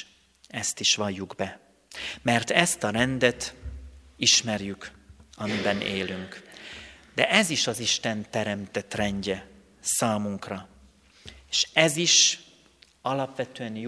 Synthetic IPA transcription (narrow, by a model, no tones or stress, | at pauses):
ɛst̪iʃʋɒjːuɡbɛ | mɛrt̪ɛst̪ɒɾɛnd̪ɛt̪ | iʃmɛrjykɒmibɛnḛːlyŋk | d̪̥ɛʔɛziʃɒziʃt̪ɛnt̪ɛɾɛmt̪ɛt̪rɛɲɟɛ | saːmuŋkrɒ | eːʃɛziʃ | ɒlɒpʋɛt̪øɛnj